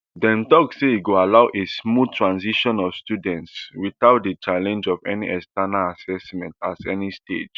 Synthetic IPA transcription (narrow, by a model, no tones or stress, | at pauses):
dɛ̃ntɔkseiɡoalaʊʔesmud̚tʰɹãnsiʃɔ̃nɔfstjudɛ̃ntswiθaʊt̚dət͡ʃalɛ̃nd͡ʒɔvɛ̰niʔɛstanaasɛsmɛ̃ntazɛ̰nistḛd͡ʒ